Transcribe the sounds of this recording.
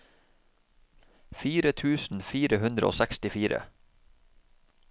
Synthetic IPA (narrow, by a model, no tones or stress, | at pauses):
fiːɾət̪ʰʉːsn̩fiːɾəhʉnd̪ɾəʔo̰ːsɛkst̪ɪfiːɾə̰